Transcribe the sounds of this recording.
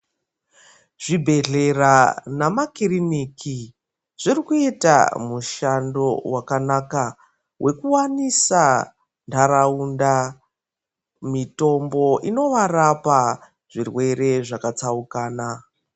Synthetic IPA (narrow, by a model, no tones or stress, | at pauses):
ʐ̥ibʱe̞ɮe̞ranamakiriniki | ʐ̥irikueta̰muʃando̞wakanaka | wʔe̞kuwanisa | ndʰaɾaunda | mito̞mbo̞ʔino̞ʋarapa | ʐ̥irwe̞ɾe̞ʐakat͡saukaːna